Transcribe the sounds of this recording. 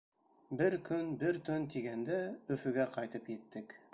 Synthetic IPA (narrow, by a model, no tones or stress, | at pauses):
bɘɾkʰɵnbɘɾt̪ɵnt̪iɡænd̪æɵ̆fɵ̆ɡæqɑjt̪ɤpjɘ̆t̪ːɘk